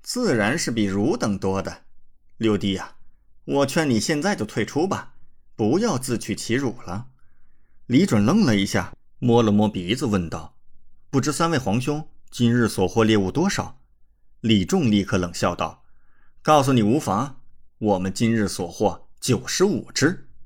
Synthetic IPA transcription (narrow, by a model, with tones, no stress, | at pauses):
t͡sɹ̩˥˩ɻa˧˥nʂɻ̩˥˩pi˨˩ɻu˧˥t̪ɤ˨˩ŋt̪wɔ˥d̪ə˨ljo˥˧ʊt̪i˥˩ɐ˩wɔ˨˩t͡ɕʰɥɛ˥˩ni˨˩ɕjɛ˥˧nt͡sa˥˧ɪt͡ɕjo˥˩t̪ʰwe˥˩ɪʈ͡ʂʰu˥bɐ˨pu˧˥jɑ˥˧ʊt͡sɹ̩˥˩t͡ɕʰy˨˩t͡ɕʰi˧˥ɻu˨˩lə˦ | li˧˥ʈ͡ʂwə˨˩nlɤ˥ŋlə˨i˧˥ɕja̰˥˩ | mwɔ˥lə˧˩mwɔ˥pi˨˥t͡sɹ̩˧wə˥˧nt̪ɑ˥˩ʊpu˥˩ʈ͡ʂɻ̩˥sa˥nwe˥˩ɪxwɑ˧˥ŋɕjʊ˥ŋt͡ɕi˥nɻɻ̩˥˩swɔ˨˩xwɔ˥˧ljɛ˥˧u˥˩t̪wɔ˥ʂɑ˨˩˦ʊ | li˨˩ʈ͡ʂʊ˥˧ŋli˥˩kʰɤ˥˩lɤ˨˩ŋɕjɑ˥˧ʊt̪ɑ̰˥˩ʊkɑ˥˩ʊs̬u˨˩ni˨˩u˧˥fɑ˧˥ŋwɔ˨˩mə˦nt͡ɕi˥nɻɻ̩˥˩swɔ˨˩xwɔ˥˩t͡ɕjo˨˩ʊʂɻ̩˧˥u˨˩ʈ͡ʂɻ̩˥